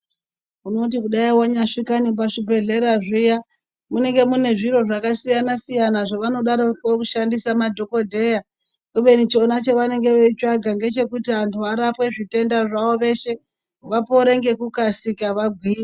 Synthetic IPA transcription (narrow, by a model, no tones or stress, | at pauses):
uno̞t̬ikuɗaiwaɲaʂikanip̬aʂibʱe̞ɮe̞ɾaʐija | mune̞ŋɡe̞mune̞ʐiɾo̞ʐakasijanasijanaʐaʋano̞ɗaɾookuʃandisamadʱo̞ko̞dʱe̞ja | kuʋe̞nit͡ʃo̞nat͡ʃeʋane̞ŋɡe̞ʋet͡ʃaɡʱaŋɡe̞t͡ʃe̞kutiantʰuaɾapwe̞ʐite̞ndaʐaʋo̞ʋe̞ʃe̞ | ʋapo̞ɾe̞ŋɡe̞kukasikaʋaɡʱwiːa